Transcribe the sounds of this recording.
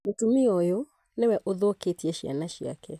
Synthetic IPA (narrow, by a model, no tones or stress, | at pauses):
metumiojo | newɛʔoðoketiɛʃia̰naʃia̰kɛ